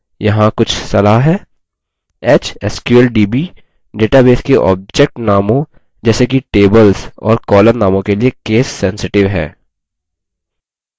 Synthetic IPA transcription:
jɐɦãkʊt͡ʃʰsɐlaːɦɦɛː | eːt͡ʃɛskjuəlɖiːbiː | ɖeːʈabeːskeʔɔ̰ːb̚d͡ʒɛk̚ʈnaːmõ | d͡ʒɛːsek̬iʈeːbəlzɔ̰ːɾkɔːləɾnaːmõkeliekeːsːɛ̃nsɪʈɪʋɦɛ̰ː

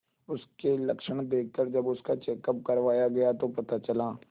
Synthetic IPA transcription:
ʊskelɐkʃəɽ̃d̪eːk̚ʰkəɾd͡ʒɐbʊskat͡ʃeːkəp̚kɐɾʋaːjaɡɐjat̪opɐt̪at͡ʃɐlaː

